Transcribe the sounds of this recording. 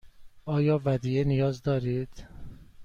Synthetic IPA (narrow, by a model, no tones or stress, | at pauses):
ɒːjɒːvæd̪iːenijɒːzd̪ɒːɾiːd̪̥